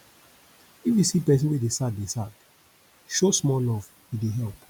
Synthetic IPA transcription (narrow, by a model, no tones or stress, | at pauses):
ifjusipɛs̬ĩnwedesat̚desat | ʃosmɔlɔv̥ | jideɦɛlˠp